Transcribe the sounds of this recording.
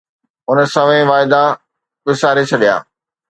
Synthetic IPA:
ʊnə̆sɐ̃ʋẽʋaːɪd̪a | kɪsaːɾet͡ɕʰɐɗija̰ː

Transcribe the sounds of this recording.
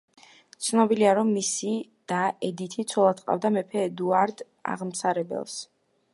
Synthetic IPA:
t̪sʰnɔbiliaɾɔmːisi | d̪̥aɛd̪it̪ʰit̪sʰɔlˠad̪qʼa̰vd̪amɛpʰɛd̪uaɾd̪ | a̰ʁmsaɾɛbɛ̰lˠs

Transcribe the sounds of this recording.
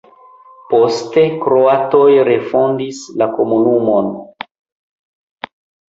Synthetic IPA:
po̞ste̞kɾo̞ato̞jɾe̞fo̞ndislako̞munumo̞n

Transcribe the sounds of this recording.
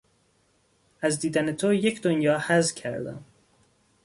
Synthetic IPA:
ʔæzd̪iːd̪æne̞t̪ʰoje̞cʰd̪onjɒːhæzcʰæɾd̪æ̰m

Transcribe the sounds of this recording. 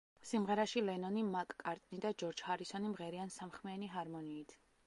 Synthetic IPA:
simʁɛɾaʃilɛnɔnimakʼkʼːaɾt̪ʼnid̪ad͡ʒɔɾd͡ʒhaɾisɔnimʁɛɾiansamχmɛaniɦaɾmɔniːt̪ʰ

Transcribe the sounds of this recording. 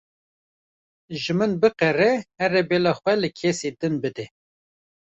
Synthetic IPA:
ʒɨmɨnbɨqɛrɛhɛrɛbeːlɑːxʷɛlɨkʰɛseːd̪ɨnbɨd̪ɛ

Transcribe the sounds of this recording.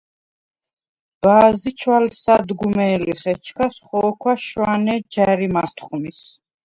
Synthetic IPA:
b̥aːzit͡ʃʰwalsad̪ɡumɛːliχɛt͡ʃʰkʰasχɔːkʰwaʃwanɛd͡ʒaɾimat̪ʰχumis

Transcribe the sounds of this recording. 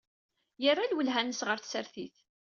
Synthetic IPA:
jərˤːalwəlɦænəsʁəɾθsəɾθiθ

